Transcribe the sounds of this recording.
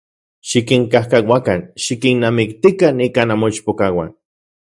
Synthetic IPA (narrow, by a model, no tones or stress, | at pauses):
ʃikiŋkahkawakanʃikinːamikt̪ikanikanamoit͡ʃpokawa̰n